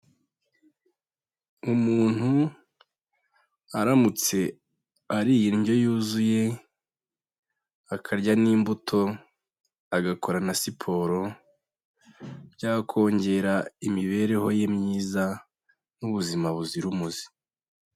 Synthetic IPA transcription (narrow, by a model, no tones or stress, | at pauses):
umuːn̥hu | aɾamut͡se̞ | aɾijinɟo̞juːzuje̞ | akʰaɾɟaniːmbutʰo̞ | aɡako̞ɾanasipʰo̞ːɾo̞ | bɟaːkʰo̞ːɲɟe̞ɾaimiβe̞ɾe̞ho̞je̞mɲiːza | nuβuzimaβuziɾumuzi̥